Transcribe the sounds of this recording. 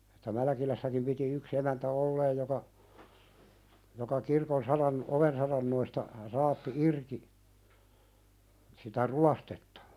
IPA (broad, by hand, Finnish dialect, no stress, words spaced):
etːæ mælkilæsːækim piti yks emæntæ olːeːj jokɑ jokɑ kirkon sɑrɑn oʋen sɑrɑnːoistɑ rɑːpːi irki sitæ ruɑstetːɑ̥